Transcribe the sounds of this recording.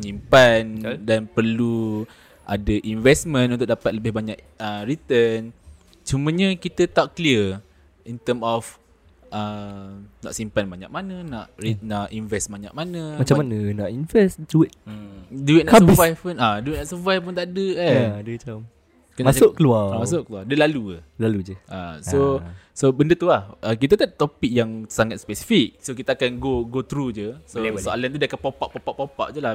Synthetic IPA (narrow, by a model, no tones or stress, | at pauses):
ɲimpandanpərlu | ʔa̰dəʔinvɛsmə̃nunt̪ʊk̚dapat̪̚ləbɪhbaɲaʔəɾit̪ən | t͡ʃumə̃ɲakit̪ət̪aʔkliə | int̪əmɔf | ʔə | na̰ʔsimpanbaɲa̰k̚manənaʔɾinaʔinvɛsbaɲa̰k̚manə̃mat͡ʃamanənaʔinvɛsduɪt̪̩̚duit̪naasvajunaduit̪naʔsəvajpunt̪adəaduiam | kənasʊʔkəluamas̬ʊʔkəluadəlalṵlalud͡ʒəʔa̰o | sobəndət̪uahʔəkit̪at̪at̪opik̚jaŋsaŋat̪̚spɛsi̥fik̚sok̬it̪aakanɡoɡot̪ɾud͡ʒəsosoʔalant̪udiakapapaʔpapaʔpapa̰ʔd͡ʒula